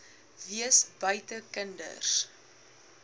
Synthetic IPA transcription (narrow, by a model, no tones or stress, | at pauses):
viəsbœjtəkəndə̰rs